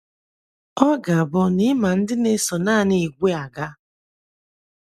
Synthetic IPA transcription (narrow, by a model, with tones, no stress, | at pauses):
ɔ˦ɡa˨bɔ˦nɪ˦ma˨n̩˦dɪ˦ne˦sɔ˨naː˦˨ni˨ɡʷe˦a˨ɡa˦